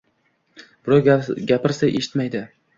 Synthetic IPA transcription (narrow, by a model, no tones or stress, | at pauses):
b̥ɪɾɒɡʲapɪɾsajʔe̞̰ʃɪ̥t̪majd̪ɪ